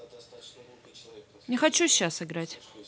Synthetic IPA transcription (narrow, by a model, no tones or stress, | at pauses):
nʲɪxɐt͡ɕuɕːasɨɡɾatʲ